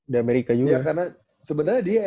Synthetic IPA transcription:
diameɾikad͡ʒujɡaakarna | səbənarɲadia

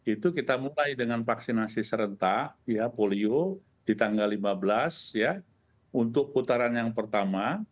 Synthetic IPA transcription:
it̪ukit̪amulajdəŋanfaksinasisəɾənt̪ahjapolio | d̥it̪aŋɡalːimabəlasja | unt̪ʊkːut̪aɾanjaŋpərt̪ama

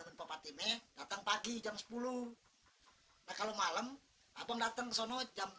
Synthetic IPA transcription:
amənpapat̪imɛdat̪əŋpaɡid͡ʒamsə̥pulu | nahkalomaləm | a̰baŋdat̪əŋkəsɔnɔd͡ʒam

